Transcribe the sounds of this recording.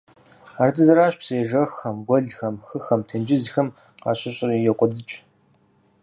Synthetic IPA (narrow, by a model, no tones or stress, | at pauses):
aːrtʰɨzɐɾaːɕpseːʐɐxɐmɡʷɔɮxɐmxɨxɐmtʰɐnd͡ʒɪzxɐm | qɑ̰ːɕʼɐɕʼɪrijɛkʷʼɔdɨt͡ʃʼ